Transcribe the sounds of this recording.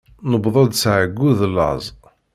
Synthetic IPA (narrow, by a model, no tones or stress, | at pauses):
nəbðˤɑd̪sʕəɡːuðlːɑ̰zˤ